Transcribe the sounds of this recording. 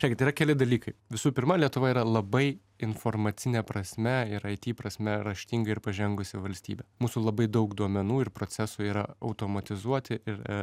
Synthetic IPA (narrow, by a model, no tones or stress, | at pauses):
ɾʲɛːkʲɪt̪iːɾɐkʲɛlʲɪd̪ɐlʲiːkɐɪʋʲɪsuːpʲɪɾmɐlʲiɛt̪ʊʋɐiːɾɐlˠɐbɐɪ | ɪnfoɾmɐt̪sʲɪnʲɛpɾɐsʲmʲɛɪɾɐɪt̪ʲiːpɾɐsʲmʲɛɾɐʃʲt̪ʲiŋɡɐɪɪɾpɐʒʲɛŋɡʊsʲɪʋɐlʲsʲt̪ʲiːbʲɛmuːsuːlˠɐbɐɪd̪ɐʊkd̪uɔmʲɛnuːɪɾpɾotsʲæsuiːɾɐɐʊt̪oːmɐt̪ʲɪzuɔt̪ʲɪɪɾ